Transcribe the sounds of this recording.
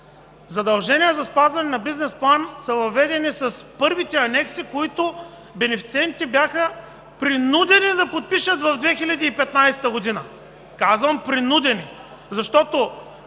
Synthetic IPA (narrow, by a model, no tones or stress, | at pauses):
zɐd̪ɐlˠʒɛnʲijəzɐspazvɐnɛnɐbiznɛsplˠansɐvɐvɛd̪ɛnisɐspɤɾvit̪ɛɐnɛksikoit̪o | bɛnɛfit̪sɛnt̪ibjaxə | pɾinud̪ɛnid̪ɐpot̪̚piʃət̪vɐvd̪vɛxilʲɐd̪iːpɛt̪najsɛ̥t̪əɡod̪inə | kazvɐmpɾinud̪ɛni | zɐʃt̪ɔt̪o